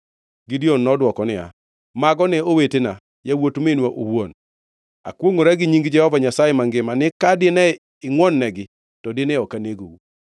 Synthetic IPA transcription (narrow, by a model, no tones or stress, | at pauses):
ɡɪdionːɔdwɔkɔnɪa̰ | maɡɔnɛowetena | jawotmenweʔo̰won | a̰kwoŋoɾaɡɪɲiŋɡd͡ʒɛhɔvaɲasajɛmaŋɡɪmanɪkadɪnɛ | ɪŋwɔnːɛɡɪ | tɔdɪnɛɔkaneɡo̰u